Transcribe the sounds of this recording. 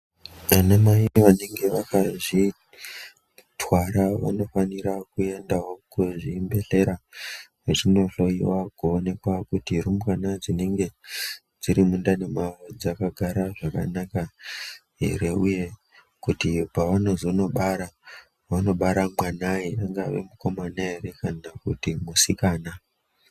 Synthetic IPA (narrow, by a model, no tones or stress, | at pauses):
anamaiʋane̞ŋɡe̞ʋakaʐi | twaɾaʋa̰no̞faniɾakue̞ndaɦokuʐimbe̞ɬe̞ɾaʐet͡ʃino̞ɬo̞iwakuone̞kwakutirumkanad͡zine̞ŋɡe̞ | d͡ziɾimundane̞mawod͡zakaɡʱaɾaʐaka̰naka | ɦḛɾe̞uje̞ | kutipaʋanozono̞ɓaɾa | ʋano̞ɓaɾamwanaiaŋɡa̰ʋe̞̰muko̞manaɦeɾe̞kanakutimusikaːna